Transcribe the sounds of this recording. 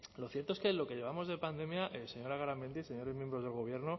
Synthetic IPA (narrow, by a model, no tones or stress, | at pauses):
lo̞θje̞ɾt̪oeske̞lo̞ke̞ʎe̞β̞amo̞zðe̞pand̪e̞mjaʔese̞ɲo̞ɾaɣaɾamend̪iseɲo̞ɾe̞zmjembɾo̞zð̞e̞lɣ̞o̞β̞je̞ɾno